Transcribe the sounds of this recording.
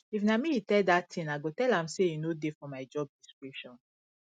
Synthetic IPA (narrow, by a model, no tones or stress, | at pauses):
ifnamiitɛdatʰĩnaɡotɛlãmseinodefɔmaɪd͡ʒɔb̚diskɹipʃɔ̃n